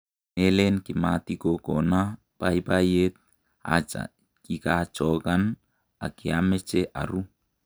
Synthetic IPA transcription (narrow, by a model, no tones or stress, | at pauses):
nelenkimat̪ikokɔna | paipajet̪̚ | a̰t͡ʃa̰ | kikat͡ʃɔkan | a̰kiamet͡ʃeʔa̰ɾu